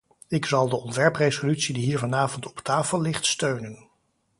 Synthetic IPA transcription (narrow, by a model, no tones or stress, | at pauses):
ɪksɑlˠdəɔntʋɛɹprezolytsidiɦiːɹvɑnaːvɔntɔ̥ptaːfəlˠːɪχtstøɥnən